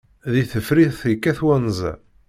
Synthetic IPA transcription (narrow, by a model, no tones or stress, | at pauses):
ðiθəfɾiðθikːæθwænzæ̰